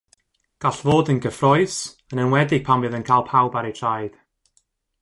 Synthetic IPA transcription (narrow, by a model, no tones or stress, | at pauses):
ɡ̥aɬvoːdənɡəfrɔɨs | ənənwɛdɪɡ̥̚pʰamvɨðənkʰaːlˠpʰawbaɾejtʰrajd̥